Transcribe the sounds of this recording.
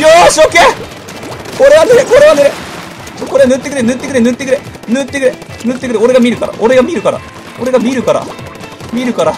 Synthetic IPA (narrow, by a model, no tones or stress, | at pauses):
joɕoke | oɾeɡaneɾekoɾeɡaneɾe | koɾeanɯt̪ːekɯɾenɯt̪ːekɯɾenɯt̪ːekɯɾenɯt̪ːekɯɾe | nɯt̪ːekɯɾeoɾe̞ɡamʲiɾɯ̟kaɾa̰ʔoɾe̞ɡamʲiɾɯ̟kaɾa̰ | oɾe̞ɡamʲiɾɯ̟kaɾa̰miɾɯ̟kaɾa